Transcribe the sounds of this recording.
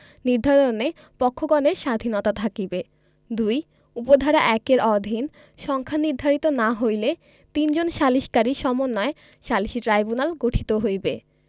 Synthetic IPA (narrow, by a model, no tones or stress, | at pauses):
niɾd̪ʱaɾone | pɔkʰːoɡɔneɾʃad̪ʱinɔt̪at̪ʰakibe | d̪uj | upod̪ʱaɾaʔɛkeɾɔd̪ʱin | ʃɔŋkʰaniɾd̪ʱaɾit̪onaɦojle | t̪ind͡ʑonʃaliʃkaɾiʃɔmonːɔe | ʃaliʃiʈɾajbunalɡoʈʰi̥t̪oɦojbe